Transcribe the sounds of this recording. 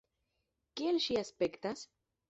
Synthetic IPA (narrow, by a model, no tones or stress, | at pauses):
kielʃiaspekt̪as